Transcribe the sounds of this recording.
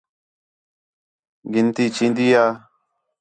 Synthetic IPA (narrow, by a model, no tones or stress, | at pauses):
ɡɪnt̪iːt͡ʃĩːnd̪iːjaː